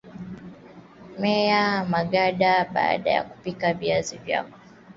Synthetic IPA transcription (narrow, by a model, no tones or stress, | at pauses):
mɛamaɠaɗaɓa̰ːɗa̰ja̰ku̥pikaviazivja̰kɔ̥